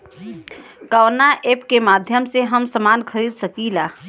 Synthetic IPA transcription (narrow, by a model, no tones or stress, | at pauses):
kəwnaʔepkemaːd̪ʱjəmseɦəmsəmaːnkʰəɾiːd̪səkilaː